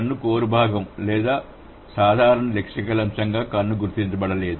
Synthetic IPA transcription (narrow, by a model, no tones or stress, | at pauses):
ɐnːukoːɾubʱaːɡɐmlɛːd̪aː | saːd̪ʱaːɾɐɳɐlekʂɐkɐlɐmʂɐŋɡaːkɐnːuɡuɾt̪int͡ʃɐbɐɽɐle̞ːd̪u